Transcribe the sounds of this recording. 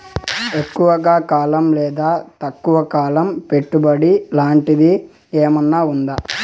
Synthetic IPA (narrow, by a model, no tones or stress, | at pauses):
e̞kːuʋɐɡaːkaːlɐmlɛːd̪aːt̪ɐkːuʋɐkaːlɐmpe̞ʈːubɐɽilaːɳʈid̪i | eːmɐnːaːund̪a